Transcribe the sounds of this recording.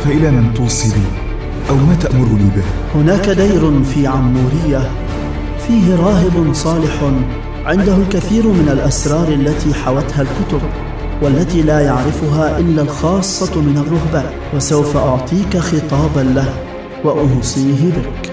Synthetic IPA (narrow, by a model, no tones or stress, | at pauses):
faʔɪlaːmɪnt̪uːsˤiliː | ʔawmaːt̪aʔmʊɾʊliːbɪh | hʊnaːkad̪ajɾʊfiːʕamːuːɾɪjːa | fiːɦɪɾˤɑːɦɪbʊnsˤɑːlɪħ | ʕɪnd̪ahʊlkaθiːɾmɪnalʔasɾˤɑːɾˤʔalːat̪iːħawat̪halkʊt̪ʊb | walːat̪iːlaːjaʕɾɪfʊɦaːʔɪlːalxɑːsˤːɑmɪnarˤːʊhbaːn | wasawfaʔʊʕt̪ˤiːkaxɨt̪ˤɑːbanlah | waʔʊhsˤiːɦɪbɪk